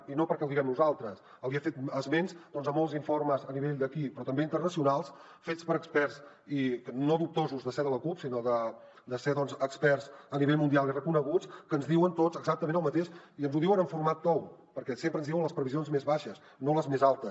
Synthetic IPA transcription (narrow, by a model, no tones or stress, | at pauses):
inopəɾkɛlwˠd̪iɣɛmnuzalˠt̪ɾəs | əlˠiafet̪əzmenzd̪ɔnzəmolˠziɱforməzəniβ̞eʎd̪əkipɾɔt̪əmbeint̪ərnəsiunalˠs | fet͡spəɾəkspɛrs | ikənoðup̚t̪ozuzðəseðələkupsinoðə | d̪əseðɔnzəkspɛrzəniβeʎmund̪ialˠirəkunəɣut͡skənzðiwənt̪ot͡səɡzak̚t̪əmenəlˠmət̪eʃiənzuðiwənəɱfuɾmat̪ːɔwpəɾkɛsempɾənzðiwənləspɾəβizionzmezβaʃəs | noləzmezalˠt̪əs